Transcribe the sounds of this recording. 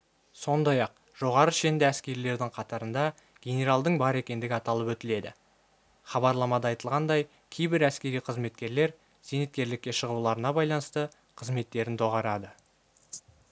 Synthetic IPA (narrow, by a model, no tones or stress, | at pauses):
so̞nd̪ɑjɑq̚ | ʒ̥o̞ʁɑɾəʃe̞nd̪ɪæskʲe̞ɾile̞ɾd̪ɪŋqʰɑt̪ɑɾənd̪ɑ | ɡ̥ʲe̞nʲe̞ɾalˠd̪əɴbɑɾe̞kʲe̞nd̪ɪɡʲɪɑt̪ɑlˠəpwɵt̪ɪle̞d̪ɪ̰ | χɑbɑɾlˠɑmɑd̪ɑɑjt̪əlˠʁɑnd̪ɑj | kʲʰejbɪɾæskʲe̞ɾiqʰəzme̞t̪kʲe̞ɾle̞ɾ | z̥enet̪̚kʲe̞ɾlɪkʲːe̞ʃəʁulˠɑɾənɑbɑjlˠɑnəst̪ə | qʰəzme̞t̪ːe̞ɾɪnt̪ʰo̞ʁɑɾɑd̪ə